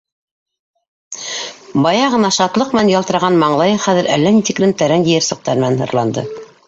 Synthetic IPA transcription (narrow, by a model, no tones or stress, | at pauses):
bɑjɑʁɤ̆nɑʃɑt̪lˠɤq̚mɘ̆nænjɑlˠt̪ɤ̆ɾɑʁɑnmɑɴlˠɑjχæðɘ̆ɾʔælːænit̪iklɘmt̪æɾænjɘ̆jɘɾsɤ̆q̚t̪ɑɾmɘ̆nænhɤ̰̆ɾlˠɑnd̪ɤ̰